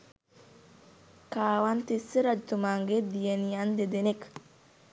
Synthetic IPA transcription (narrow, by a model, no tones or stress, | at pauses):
kaːwant̪isiɾad͡ʒt̪umaŋɡed̪ijenijand̪ed̪enek